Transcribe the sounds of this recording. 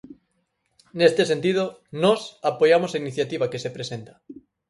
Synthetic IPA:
nest̪es̬e̞nt̪ið̞o | nosapojamosainiθjat̪iβakesepɾesẽnt̪ḁ

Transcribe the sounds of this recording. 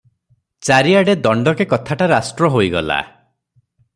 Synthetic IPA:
t͡ʃaɾiaɽed̪ɔɳɖɔkekɔt̪ʰaʈaɾasʈɾɔɦojɡɔ̰la̰

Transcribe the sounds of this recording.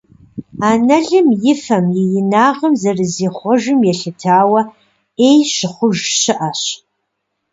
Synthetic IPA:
aːnɐɮɨmjɪfɐmjɛjɪnaːʁəmzɐrɨziːχʷɔʒɪmjɛɬɨtʰaːwɐ | ejɕɪχʷʊʒɕɪʔɐɕ

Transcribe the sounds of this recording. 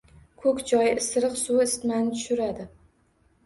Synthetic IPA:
kʰɵkʲd͡ʒɒjɪsɾɨqsuwɪst̪manɪt̪ʰʊ̥ʃʊɾad̪ɪ

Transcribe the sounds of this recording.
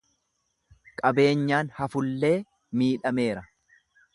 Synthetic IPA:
kʼɐbe̞ːɲːaːnhɐfʊlːe̞ː | miːᶑɐme̞ːɾɐ

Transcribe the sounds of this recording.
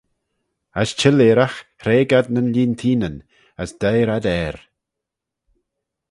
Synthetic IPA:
ast͡ʃʰɪleːɾaxhɾeːɡad̪̚nənliːnt̪ʰiːnən | əsd̪̥ajɾad̪ɛːɾ

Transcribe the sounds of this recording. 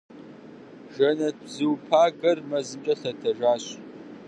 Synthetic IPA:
ʒɐnɐzɨwpʰaːɡɐrmɐzɨmt͡ʃʼɐɬɐtʰɐʒaːɕ

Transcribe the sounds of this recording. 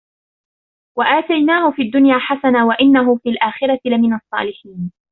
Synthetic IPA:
waʔaːt̪ajnaːhʊfiːad̪ːʊnjaːħasanaːwaʔɪnːaɦʊfiːlʔaːxɪɾˤɑtɪlamɪnɑsˤːɑ̰ːlɪħiːn

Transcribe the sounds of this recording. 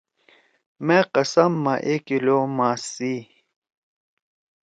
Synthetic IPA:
meqɐsɐmːɐʔekiloːmaːsi

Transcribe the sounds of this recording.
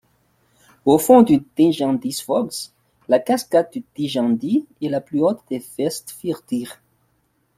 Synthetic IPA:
ofɔ̃d̪yd̪ɛ̃ʒɑ̃d̪isfɔɡs | lakaskat̪̚d̪yd̪̥iʒɑ̃d̪iɛlaplyot̪d̪efɛst̪fiʁt̪iʁ

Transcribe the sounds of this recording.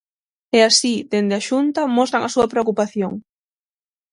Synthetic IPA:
ɛasid̪end̪eaʃunt̪ɐmɔst̪ɾaŋɐsuɐpɾeokupaθjoŋ

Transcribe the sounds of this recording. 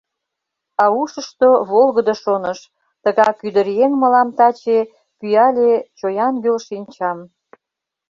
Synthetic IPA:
ɑuʃəʃt̪oβolɣəd̪oʃonəʃ | t̪əɣɑkyd̪əɾeŋməlɑmt̪ɑt͡ɕe | pyjɑlʲet͡ɕojɑnɡølʃinʲt͡ɕɑm

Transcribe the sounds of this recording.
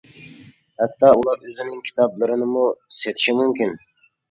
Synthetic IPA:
hæt̪ʰːɑulˠɑɾøzɪnɪŋkʲʰi̥t̪ʰɑblˠɨɾɨnɨmuiset̪ʰi̥ʃimymkʲin

